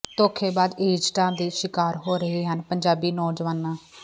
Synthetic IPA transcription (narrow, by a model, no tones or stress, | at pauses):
t̪oːkʰeːbaːd̪eːd͡ʒʈãːnd̪iːʃɪkaːɾɦoːɾəɦiːɦənpəɲd͡ʒaːbiːnɔːd͡ʒəʋaːnːãː